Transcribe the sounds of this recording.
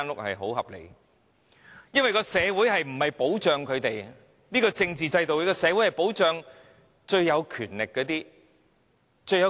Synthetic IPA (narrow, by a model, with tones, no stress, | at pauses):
nlʊ˥k̚hɐ̰˨jɦo˨˥whɐ̰˨p̚lḛ˨˩ | jɐ˥nwɐ˨˩jkɔː˧sɛː˨˧wuː˨˥jhɐ˨jm̩˨˩hɐ˨jpo˨˥wt͡ʃœː˨ŋkʰɵ˨˧ɥt̪e˨j | niː˥kɔː˧t͡sɪ˧ŋt͡siː˨t͡sɐ˧jt̪o˨wi˨˧˥kɔː˧sɛ˨˧wjhɐ˨jpo˨˥wt͡ʃœː˨ŋ | t͡ʃɵ˧ɥːɐ˨˧wkʰyː˨˩nlɪ˨kːɛː˧t̪iː˥ | t͡ʃɵ˧ɥj